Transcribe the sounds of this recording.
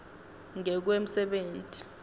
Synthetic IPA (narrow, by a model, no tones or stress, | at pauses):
ŋɛk̬wem̩sɛɓeːntʼi̥